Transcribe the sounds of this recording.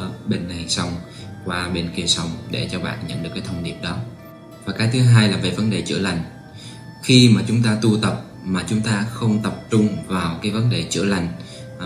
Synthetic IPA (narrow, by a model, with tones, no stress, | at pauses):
ɓe˧nha˨˩ŋsə˧wŋ͡m | kwaː˧ɓe˧nki˧əsə˨˧˩wŋ͡mɗe˧˩t͡ɕɔ˧ɓa̰ː˧˨nɲə̰˧˥nɗɨ˨˩kːt̪ʰə˧ŋ͡mni˨˩əp̚ɗɔ˨˦ | vaː˨˩kaː˨˦jt̪ʰɨ˨˦ɦaː˧jlaː˨˩və̰˧˨jvə˨˦nɗe˨˩t͡ɕɨ̰˧˩əla˨˩jŋ̟ | xi˧maː˨˩t͡ɕʊ˨˦ŋ͡mt̪aː˧t̪u˧t̪ə˨˩p̚ | maː˨˩t͡ɕʊ˨˦ŋ͡mt̪aː˧xə˧wŋ͡mt̪ə˨˩p̚t͡ɕʊ˧ŋ͡mvaː˨˩wkaː˨˦jvə˨˦nɗe˨˩t͡ɕɨ̰˧˩əla˨˩jŋ̟